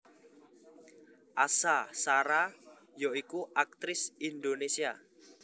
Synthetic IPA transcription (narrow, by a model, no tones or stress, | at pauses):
ʔasasaɾa | joikuʔak̚t̪ɾɪsind̪onesia̰